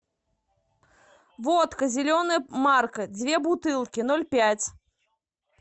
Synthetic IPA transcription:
vɔt̪kɐzʲilʲɔnɐjmarkɐd͡zʲvʲɛbut̪ɨlˠkʲin̪ɔlʲpʲat͡sʲ

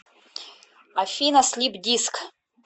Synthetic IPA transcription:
afʲinaslʲipdʲiskʰ

